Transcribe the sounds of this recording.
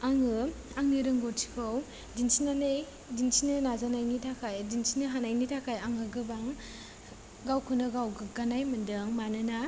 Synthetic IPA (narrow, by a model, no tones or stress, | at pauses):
aŋɯ | aŋniɾɯŋɡɔtʰi̥kʰaw | dinsinanej | dinsinɯnazanajnitʰakʰajdinsinɯɦanajnitʰakʰajaŋɯɡɯbaŋ | ɡawkʰɯnɯɡawɡɡanajmɯndɯŋmanɯna